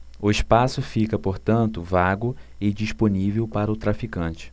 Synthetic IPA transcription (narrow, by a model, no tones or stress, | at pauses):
ʊɪʃpasʊfikɐpoɾt̪ɐ̃nt̪ʊvaɡʊɪd͡ʒiʃponivewpaɾɐʊt̪ɾafikɐ̃t͡ʃɪ̥